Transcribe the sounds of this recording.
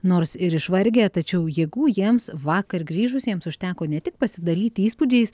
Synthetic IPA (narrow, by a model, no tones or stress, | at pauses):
noːrsɪɾɪʃʋɐɾʲɡʲet̪ɐt͡ʃʲɛʊjɛɡuːjiɛmsʋɑːkɐɾɡɾʲiːʒʊsʲiɛmsʊʃʲt̪ʲæːkoːnʲɛt̪ʲɪk̚pɐsʲɪd̪ɐlʲiːt̪iːspud͡ʒʲɛɪs